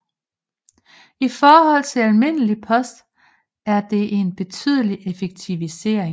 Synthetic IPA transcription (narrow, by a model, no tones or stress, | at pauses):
ifɒːhɒ̽l̰t͡sʰe̝lælme̝n̰əlipʰɒ̽sd̥ | æɐd̥e̝ʔe̝nb̥e̝t͡sʰyð̞ˠəliʔefeɡ̥̚t͡sʰiʋise̝̰ɐ̰eŋ